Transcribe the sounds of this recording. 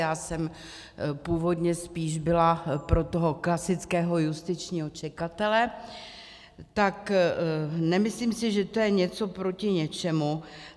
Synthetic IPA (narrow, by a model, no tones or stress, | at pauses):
jaːsɛm | puːvo̞dɲɛspiːʒbɪlapɾo̞t̪oɦo̞klasɪt͡skɛːɦo̞just̪ɪt͡ʃɲiːɦo̞t͡ʃɛkat̪ɛlɛ | t̪ak | nɛmɪsliːmsɪʒɛt̪o̞jɛɲɛt͡so̞pɾo̞cɪɲɛt͡ʃɛmu